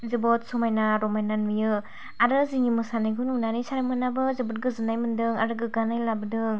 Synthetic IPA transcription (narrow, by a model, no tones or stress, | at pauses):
zɯbɔt̚sumajnaɾɔmajnanmɯjɯ | aɾɯziŋimɯsanajɡununanisaɾamɯnabɯzɯbɯt̚ɡɯzɯnajmɯndɯŋaɾɯɡɯɡanajlabɯdɯŋ